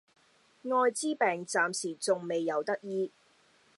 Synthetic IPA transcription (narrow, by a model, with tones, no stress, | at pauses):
ŋɔː˧jt͡siː˥pɛː˨˩ŋt͡saː˨msiː˨˩t͡sʊ˨ŋme˨jːɐ˨˧wt̪ɐ˥k̚jiː˥